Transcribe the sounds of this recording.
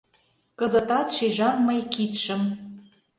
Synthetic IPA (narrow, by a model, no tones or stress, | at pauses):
kɤ̆zɤ̆t̪ɑt̪ʃeʒɑmːɤjkit̪ʃə̆m